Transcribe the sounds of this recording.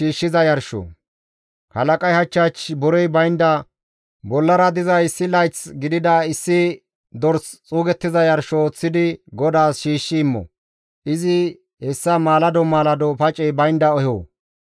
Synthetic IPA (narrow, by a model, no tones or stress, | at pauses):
ʃiːʃːɪzɐjɐɾʃɔ̰ | hɐlɐkʼɐjhɐt͡ʃːat͡ʃbɔɾɛjbɐjnd̪ɐ | bɔlːɐɾɐd̪ɪzɐjɪsːɪlɐjt͡sɡɪd̪ɪd̪ɐɪsːɪ | d̪ɔɾst͡sʼuːɡɛt̪ːɪzɐjɐɾʃot͡sːɪd̪ɪɡɔd̪aːsʃiːʃːɪːmːɔ̰ | ʔɪzɪ | hɛsːɐmaːlɐd̪ɔmaːlɐd̪ɔpɐt͡ʃʼɛjbɐjnd̪ɐɔho̰ː